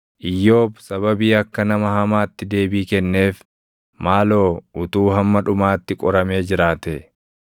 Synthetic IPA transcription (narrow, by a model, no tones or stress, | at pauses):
ʔɪjːo̞ːbsɐβɐbiːɐkːɐnɐmɐhɐmaːt̪ːɪd̪e̞ːbiːkɛnːe̞ːf | maːlo̞ːʊt̪uːɦɐmːɐᶑʊmaːt̪ːɪkʼɔɾɐme̞ːd͡ʒɪɾaːt̪ɛ